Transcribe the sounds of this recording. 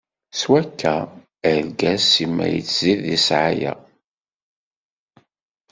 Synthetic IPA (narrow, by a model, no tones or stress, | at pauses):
swækːæ | əɾɡæsːimːæ̰jə̰t͡sːziðisʕajæ̰